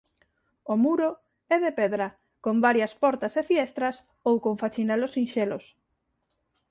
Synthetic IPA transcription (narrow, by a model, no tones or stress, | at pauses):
omuɾo | ɛðepɛðɾɐ | kombaɾjɐspɔɾt̪ɐsefiɛst̪ɾɐs | owkoɱfat͡ʃinɛlosinʃelos